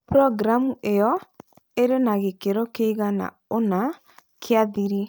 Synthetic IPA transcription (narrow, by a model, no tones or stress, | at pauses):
pɾɔɡɾamuʔejɔ | eɾenaɣekeɾokeiɣana̰ | ona | kʰeaðiɾi